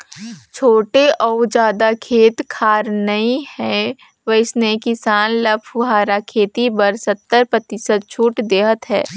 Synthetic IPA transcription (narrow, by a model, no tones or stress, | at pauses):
t͡ʃʰoːʈeʔɔːd͡ʒaːd̪akʰeːt̪kʰaːɾnɐĩhɛː | ʋəɪsnekɪsaːnləpʰʊɦaːɾakʰeːt̪ibɐɾsɐt̪ːəɾpɾɐt̪ɪsəd̪̚t͡ʃʰuːʈd̪eːɦət̪ɦɛ̰ː